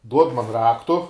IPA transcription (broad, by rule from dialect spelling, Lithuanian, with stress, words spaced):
ˈduɔt mɐn ˈrɑːktʊ